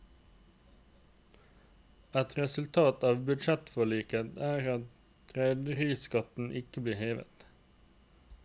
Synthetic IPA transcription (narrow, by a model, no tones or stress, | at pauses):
ɛt̪ɾɛsʉlt̪ʰɑːt̪ɑːʋbʉd̪ʃɛt̪fɔɭiːkət̪æːʁɑt̪̚ | t̪ʰɾæɪd̪əʁiːskɑt̪n̩ʔɪkəbliːheːʋə̰t̪